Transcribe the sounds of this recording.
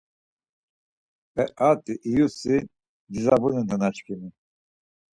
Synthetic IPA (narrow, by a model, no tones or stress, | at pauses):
ɛʔat̪ʼiʔːjusi | d̪izabunɛnd̪anat͡ʃkʰini